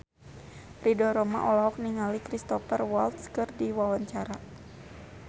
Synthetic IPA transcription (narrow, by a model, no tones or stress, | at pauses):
ridɔɾɔma̰ʔɔlɔɦɔk̚niŋalikɾist̪ɔfərwalt̪skɨrdiwawaɲt͡ʃaɾa